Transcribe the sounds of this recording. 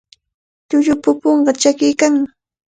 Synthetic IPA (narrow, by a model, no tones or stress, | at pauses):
t̪ʊʎʊpʊpoɴɢɑt͡ʃakɪjkaŋmɪ